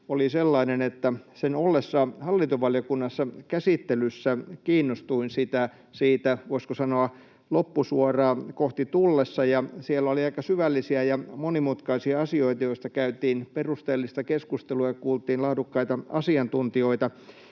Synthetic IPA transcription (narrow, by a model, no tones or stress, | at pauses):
oliselːɑinenet̪ːæsenolːesːɑhɑlːint̪oʋɑljokunːɑsːɑkæsit̪ːelysːækiːnːost̪uinsit̪æ | siːt̪æʋoiskosɑnoɑ | lopːusuorɑːkoht̪it̪ulːesːɑjɑsielːæoliɑikɑsyʋælːisiæjɑmonimut̪kɑisiɑɑsioit̪ɑjoist̪ɑkæyt̪iːnperust̪eːlːist̪ɑkeskust̪eluɑɑkuːlt̪iːnlɑhdukːɑit̪ɑɑsiɑnt̪unt̪ioit̪ɑ